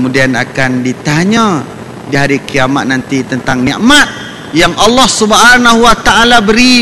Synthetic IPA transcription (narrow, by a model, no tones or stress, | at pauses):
kəmudianakandit̪aɲã | diɦaɾikiamat̪̚nant̪it̪ənt̪aŋniaʔmat̪̚ | jaŋʔalːɔhsubɦanaɦuwat̪aʔalabəɾi